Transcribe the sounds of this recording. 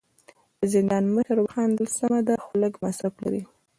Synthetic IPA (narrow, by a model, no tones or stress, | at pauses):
d̪̥əzɪnd̪ɑnməʃəɾwaxɑnd̪əlsamad̪axʊləkmasafla̰ɾi